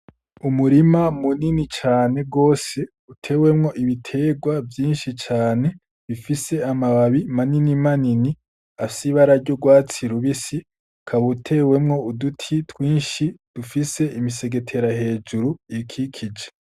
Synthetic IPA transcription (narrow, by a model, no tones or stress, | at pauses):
umuɾimamuninit͡ʃaːne̞ɡo̞ːse̞ | utʰe̞ːwe̞mŋo̞ʔiβitʰe̞ːɡwavjiːnʃit͡ʃaːne̞ | βifise̞amaβaβimaninimanini | asiβaɾaɾɟoɡwaːt͡siɾuβisi | kʰaβutʰe̞we̞mŋo̞udutʰitwiːnʃid̥ufise̞imise̞ɡe̞tʰe̞ɾahe̞ːd͡ʒuɾuikʰikʰid͡ʒe